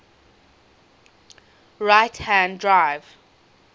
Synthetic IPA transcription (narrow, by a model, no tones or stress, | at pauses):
ɹajtʰhæ̃ndɹaɪv